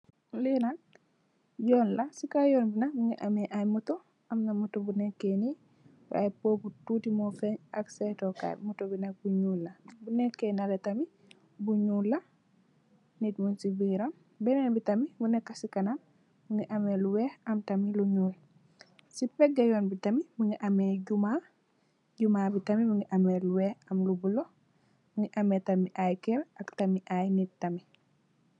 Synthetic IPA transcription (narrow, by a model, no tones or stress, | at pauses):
linak̚ | jɔnlasikajɔnbinak̚buŋɡiʔamɛʔajmutɔ | amnamutɔbunɛkːeni | b̰ajpoːbututimɔfɛɲaksɛtɔka̰jmutɔbinak̚buɲulːabunɛkːenalɛtami | buɲulːa | nitmunsibiɾam | bɛnɛnbitɐmibunɛkːasikɐnam | buŋɡiʔameluwɛhɐmtɐmiluɲuːl | sipɛɡːɐjɔnbitɐmimuŋiʔɐmeɟuma | ɟumaːbitɐmimuŋɡiʔameluwɛhɐmlubulo | buŋɡiʔɐmetɐmiʔajkɛɾɐktɐmiʔajnit̚tɐmi